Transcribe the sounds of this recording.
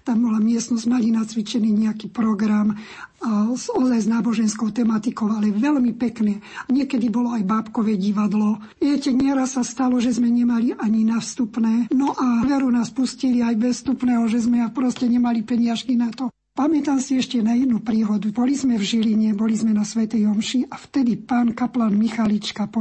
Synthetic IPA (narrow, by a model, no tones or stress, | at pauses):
t̪ambɔlamɪɛst̪nɔzmalinat͡sʋit͡ʃɛniːɲɛakipɾɔɡɾam | azɔd̪zajznaːbɔʒɛnskɔʊt̪ɛmat̪ikɔʊalɛʋɛlmipɛknɛːaɲɪɛkɛd̪ibɔlɔajbaːpkɔʋɛɟiʋad̪lɔ | ʋjɛcɛɲɛɾasːast̪alɔʒɛzmɛɲɛmaliʔaɲinafst̪upnɛːnɔʔaʋɛɾunaːspusciliajbɛsst̪upnɛːɦɔʒɛzmɛapɾɔscɛɲɛmalipɛɲɪaʃkinat̪ɔ | pamɛt̪amsiɛʃcɛnajɛd̪nupɾiːɦɔd̪ubɔlizmɛvʒiliɲɛbɔlizmɛnasʋɛt̪ɛjɔmʃiʔaft̪ɛd̪ipaːnkaplanmixalit͡ʃkapɔ